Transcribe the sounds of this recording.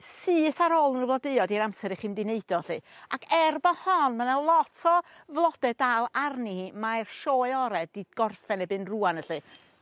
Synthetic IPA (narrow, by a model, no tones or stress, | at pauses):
sɨːθaɾoːlˠənəvlˠɔdeɨɔdiɾamsɛɾiχiːmdɪneɨd̥ɔɬɨakʰɛrbɔhɔnmənalˠɔtʰɔ | vlˠɔd̥ɛdalˠarnimajrʃoːɨɔɾɛdiɡ̥ɔrfɛnɛbɨnruanəɬɨ